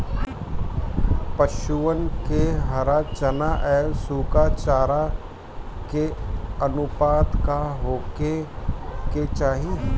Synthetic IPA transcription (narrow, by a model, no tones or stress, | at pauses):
pɐʃuənkeɦɐɾat͡ʃɐnaʔɛːsuːkat͡ʃaːɾa | keɐnʊpaːd̪kaɦoːke | ket͡ʃaːɦi